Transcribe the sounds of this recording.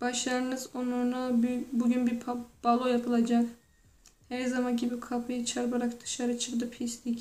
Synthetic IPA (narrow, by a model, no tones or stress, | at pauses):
b̥aʃlˠaɾɯnɯzonlˠaɾnabuɟynbib̥alˠojapʰɯlˠad͡ʒak | hæɾzamancibikʰapʰɯjɯt͡ʃʰaɾbaɾakd̪ɯ̥ʃaɾɯt͡ʃʰɯkd̪ɯpʰist̪ic